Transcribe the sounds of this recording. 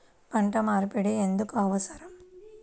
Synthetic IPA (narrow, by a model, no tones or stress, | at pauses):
pɐɳʈɐmaːɾpiɽiend̪ɯkɐʋɐsɐɾɐm